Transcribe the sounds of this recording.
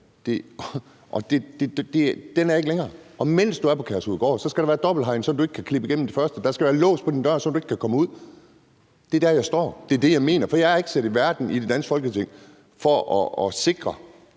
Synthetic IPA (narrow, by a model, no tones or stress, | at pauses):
d̥e̝ | ʔɒd̥e̝d̥e̥d̥e̝d̥enæɐe̝ɡ̥əleŋɐːɒ̽men̰sd̥uæɐpʰɒ̽kʰæɐshuð̰ˠɡ̥ɒ̰ːsɒ̽sɡ̥æɾɑ̈ʋæːɐd̥ɒ̽b̥l̩ɦɑ̈ɪn̩sɒ̽nd̥ue̝ɡ̥ə̥kʰækʰlib̥əiɡem̰m̩d̥e̝fɶɐsd̥əd̥ɑ̈sɡ̥æʋæːɐlɔ̰̽ːspʰɒ̽d̥ind̥ɶɐsɒ̽ndue̝ɡ̥kʰækʰɒ̽məuð̞̰ˠ | d̥e̝d̥æɐjɑ̈ɪsd̥ɒ̰ːd̥e̝ɐd̥e̝jɑ̈ɪme̝̰ːnɐfɒ̽jɑæɐe̝ɡ̥sed̥iʋæɐd̥n̩id̥e̝d̥æn̰sɡ̥fɒlɡ̥ət͡sʰe̝ŋ̰ | fɒʔɒɒse̝ɡ̥ʁɐ